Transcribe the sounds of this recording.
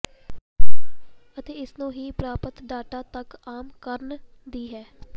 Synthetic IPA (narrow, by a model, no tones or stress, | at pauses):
ət̪eːɪsnũːɦiːpɾaːpət̪ɖaːʈaːt̪əkaːmkəɾn | d̪iːɦɛː